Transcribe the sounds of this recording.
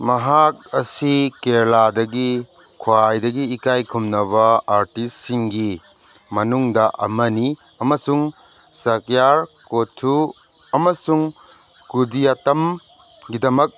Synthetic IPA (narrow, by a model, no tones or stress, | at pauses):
mɐɦak̚ɐsikeɾladɐɡi | kʰwajdɐɡiːkajkʰumnɐβɐaɾtisːiŋɡi | mɐnuŋdɐʔɐ̰mɐni | ɐmɐsuŋ | sɐkjaɾkotʰu | ɐmɐsuŋ | kudijatɐm | ɡidɐmɐk̚